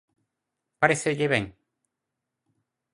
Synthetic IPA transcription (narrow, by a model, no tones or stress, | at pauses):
paɾeseʎeβeŋ